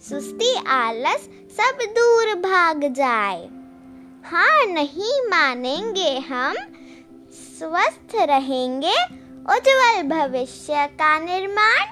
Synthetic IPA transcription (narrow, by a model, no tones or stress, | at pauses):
sust̪ialəsː | əbd̪uɾbʱaɡd͡ʒaːe | hãnəɦĩmanẽŋɡeɦəm | sʋəst̪ʰɾəɦẽŋɡe | od͡ʒʋəlbʱəʋɪʃjəkanɪɾmaːn